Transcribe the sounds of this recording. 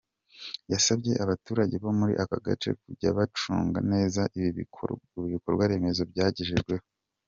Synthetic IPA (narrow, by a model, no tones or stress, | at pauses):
jasabɟe̞ʔaβatuːɾaɟe̞βo̞muɾḭʔakaɡa̰t͡ʃe̞̰kuɟa̰βat͡ʃṵːŋɡa̰ne̞ːza | iβiβiko̞ɾɡwaɾe̞me̞zo̞bɟaːɟiʒeʒɡwe̞ho